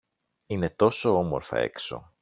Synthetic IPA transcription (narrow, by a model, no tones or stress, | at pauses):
ine̞t̪o̞so̞omoɾfɐ̰e̞̰kso̞̰